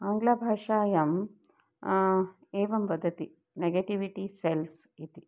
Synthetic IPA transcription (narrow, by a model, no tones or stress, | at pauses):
aːŋɡlaːbʱaːʂaːjɐm | eːʋɐmbɐd̪ʱːɐt̪i | neɡeːʈiʋiʈiselsit̪i